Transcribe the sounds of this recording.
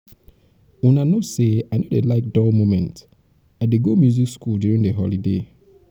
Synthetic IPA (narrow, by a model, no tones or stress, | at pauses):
unanoseaɪnodelaɪk̚dɔlmomɛ̃nt | aɪdeɡomjuzikskulduɹĩndeɦɔlide